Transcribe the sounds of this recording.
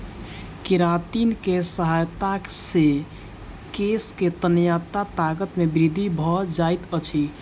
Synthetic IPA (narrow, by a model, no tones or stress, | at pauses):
kiɾat̪inkesəɦajt̪ase | kesket̪ənjat̪at̪aɡət̪mebɾid̪ʱibʱɔd͡ʒajt̪ət͡ʃʰi